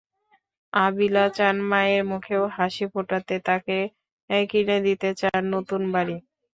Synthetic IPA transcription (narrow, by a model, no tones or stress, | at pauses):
abilat͡ɕanmaeɾmukʰeoɦaʃipoʈat̪et̪ake | kined̪it̪et͡ɕaɾnot̪unbaɾi